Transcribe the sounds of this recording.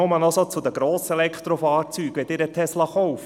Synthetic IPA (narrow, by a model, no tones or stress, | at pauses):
oʊmɑnɔsot͡sud̪əɡ̥ɾoːsəɛlɛkχt̪ɾofɑːɾt͡syːkʋɛd̪ɪɾətʰɛslɑχɔʊf